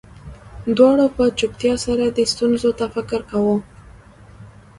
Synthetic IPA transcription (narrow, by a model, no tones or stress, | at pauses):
d̪wɑɽopət͡ʃʊpt̪jɑsaɾad̪əst̪unzot̪afɪkɪɾkawə